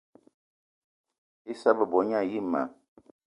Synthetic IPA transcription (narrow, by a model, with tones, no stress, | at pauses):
i˦sa˦bə˨bɔ˨˦ɲa˦˨ji˦ma̰˨